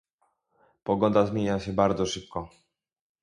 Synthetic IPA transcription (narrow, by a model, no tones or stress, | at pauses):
pɔɡɔnd̪azmʲjeɲaɕɛbaɾd̪zɔʂɘp̚kɔ